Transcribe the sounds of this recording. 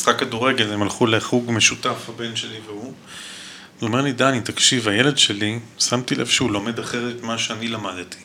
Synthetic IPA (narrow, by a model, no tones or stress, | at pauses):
isχakːaduʁe̞ɡelemalχuleχuɡme̞ʃutafhabe̞nʃe̞liveu | zo̞me̞ʁlid̪anit̪akʃivajele̞dʃe̞lisamt̪ilʔḛfʃehulo̞me̞d̪aχe̞ʁet̪maʃeanilamadt̪i̥